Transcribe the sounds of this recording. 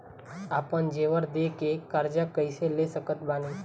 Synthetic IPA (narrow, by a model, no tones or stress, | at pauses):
aːpənd͡ʒeːʋəɾd̪ekekaɾd͡ʒakəɪselesəkət̪baːniː